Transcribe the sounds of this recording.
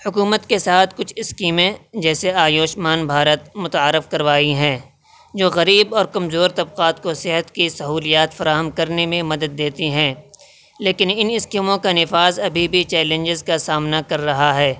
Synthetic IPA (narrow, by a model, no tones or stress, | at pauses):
hʊkuːmət̪kesaːt̪ʰkʊt͡ʃʰɪskiːmẽd͡ʒɛːseaːjoːʃmaːnbʱaːɾət̪mʊt̪aːɾːɪfkɐɾʋaːiɦɛ̃ː | d͡ʒoːɣɐɾiːbɔːɾkɐmzoːɾt̪ɐbqaːt̪kosɪɦət̪kisɐɦuːlijaːt̪fɐɾaːɦəmkɐɾnemẽmɐd̪əd̪̚ːeːt̪iɦɛ̃ː | leːkɪnɪnɪskiːmõkanɪfaːzɐbʱibʱit͡ʃɛːlẽnd͡ʒɪzkasaːmnakɐɾːɐɦaɦɛː